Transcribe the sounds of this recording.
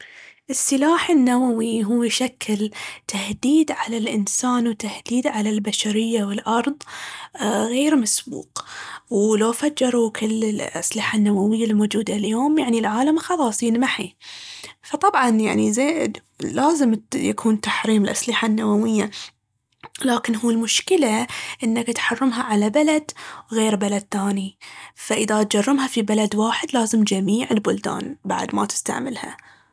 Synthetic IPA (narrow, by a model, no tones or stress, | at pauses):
ʔɪsːɪlaːħɪnːawawiɦuːjʃakʰːɪlt̪ʰahd̪iːd̪ʕalalʔɪnsaːnwt̪ahd̪̥iːd̪ʕalalbaʃaɾɪjːawɪlʔɑɾˤðˤ | ɣeːɾmasbṵːqwlawfad͡ʒːɑɾˤukʰɪlːɪlʔa̰slɪħanːawawɪjːalmoːd͡ʒuːd̪aljoːmjaʕnilʕaːlamxɑlɑːsˤiːnmaħi | fɑt̪ˤɑbʕɑnja̰ʕnizeː | laːzɪmja̰kʰuːnt̪aħɾiːmɪlʔaslɪħanːawawɪjːa | laːkɪnɦuːlmʊʃkɪlaʔɪnːakt̪ħɑrˤːʊmɦaʕalabalad̪ɣeːɾbalad̪̚θaːnifaʔɪðat̪̚d͡ʒɑrˤːɪmhafibalad̪waːħɪd̪laːzɪmd͡ʒamiːʕɪlbʊld̪a̰ːnba̰ʕd̪ma̰t̪ɪ̥st̪a̰ʕmɪlha̰